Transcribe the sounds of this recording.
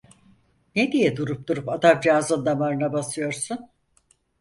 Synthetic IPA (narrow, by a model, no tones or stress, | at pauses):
ned̪ijɛd̪uɾup̚d̪uɾupad̪amd͡ʒaːzɯnd̪amaɾɯnabasɯjo̞ɾsun